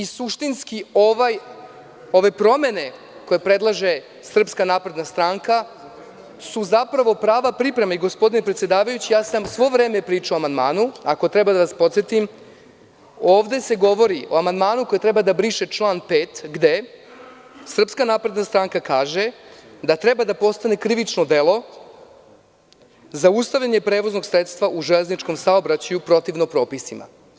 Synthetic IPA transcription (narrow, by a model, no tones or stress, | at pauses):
isuʃt̪inskioʋaj | o̞ʋe̞pɾo̞me̞ne̞ | ko̞jepɾe̞d̪lˠaʒe̞ | sr̩pskanaːpɾe̞d̪nast̪ɾaːŋka | suzapɾaʋo̞pɾaːʋapɾipɾe̞maiɡo̞spo̞d̪inepɾet̪sjed̪aːʋajut͡ɕijaːsamsʋo̞ʋɾe̞ːmepɾiːt͡ʃaoamand̪maːnuako̞t̪ɾe̞bad̪aʋaspo̞t̪sjet̪im | o̞ːʋd̪e̞se̞ɡo̞ʋo̞ɾio̞amand̪maːnuko̞jet̪ɾe̞bad̪abɾiʃet͡ʃlˠaːnpe̞ːt̪ɡd̪e̞ | sr̩pskanaːpɾe̞d̪nast̪ɾaːŋkakaːʒe̞d̪at̪ɾe̞bad̪apo̞st̪ane̞kɾiʋit͡ʃno̞d̪e̞lo̞ | zaust̪aʋʎaɲe̞pɾe̞ːʋo̞zno̞ɡsɾet̪st̪ʋaʔuʒeleznit͡ʃko̞msaobɾat͡ɕajupɾo̞t̪iʋnopɾo̞ːpisima̰